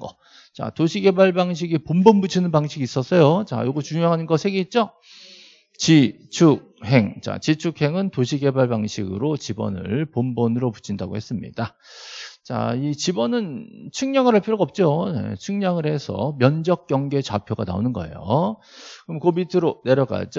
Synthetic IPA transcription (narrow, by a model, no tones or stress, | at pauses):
ɡʌ | t͡ɕa̰toɕʰike̞baɭbaŋɕ̬ʰiɡipombʌnbut͡ɕʰinɯnpaŋɕʰiɡiːs͈ʌs͈ʌjot͡ɕa̰joɡɯt͡ɕuŋjoɦanɯnɡʌsʰeɡeit̚t͡ɕ͈o | t͡ɕi | t͡ɕʰuk̚ɦe̞ŋt͡ɕa̰t͡ɕit͡ɕʰukʰhe̞ŋɯntoɕʰike̞baɭbaŋɕʰiɡɯ̰ɾot͡ɕibʌ̰nɯ̰ɭpombʌnɯɾoput͡ɕʰindaɡo̰hes͈ɯmɲḭd̥a | t͡ɕa̰it͡ɕibʌnɯnt͡ɕʰuŋɲaŋɯɾɦaɭpʰiɾjoɡʌp̚t͡ɕ͈onḛt͡ɕʰuŋɲaŋɯɾɦe̞sʰʌ̰mjʌnd͡ʑʌk̚k͈jʌŋɡe̞t͡ɕapʰjoɡa̰na̰o̰nɯnɡʌ̰e̞̰jo̰ | kɯɾmkomitʰɯɾone̞ɾjʌɡa̰d͡ʑo